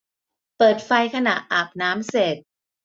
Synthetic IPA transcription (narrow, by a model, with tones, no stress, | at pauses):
pɤː˨˩t̪̚fa˧jkʰa˧na˨˩ʔʔaː˨˩p̚naː˦˥mse˨˩t̪̚